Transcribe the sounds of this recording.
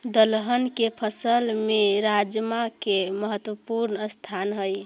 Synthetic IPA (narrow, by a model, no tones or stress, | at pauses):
d̪əlɦənkepʰəsəlmeɾad͡ʒmakeməɦət̪wəpuɾnəəst̪ʰanɦəj